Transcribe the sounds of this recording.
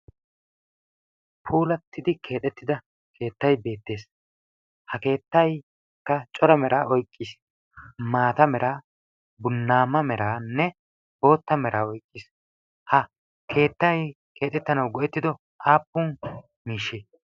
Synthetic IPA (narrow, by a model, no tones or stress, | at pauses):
pʰuːlɐt̪ːɪd̪ɪkʰe̞ːt̪ʼɛt̪ːɪd̪ɐ | kʰe̞ːt̪ːɐjbe̞ːt̪ːe̞ːs | hɐke̞ːt̪ːɐj | kːɐt͡ʃʼɔɾɐmɛɾʔaːɔjkʼːɪːs | maːt̪ɐmɛɾaː | bʊnːaːmɐmɛɾaːnːɛ | bo̞ːt̪ːɐmɛɾʔaːɔjkʼːɪs | hɐ | kʰe̞ːt̪ːɐj | kʰe̞ːt̪ʼɛt̪ːɐnɐwɡɔʔɛt̪ːɪd̪ɔ | ʔaːpːuːn | miːʃːeː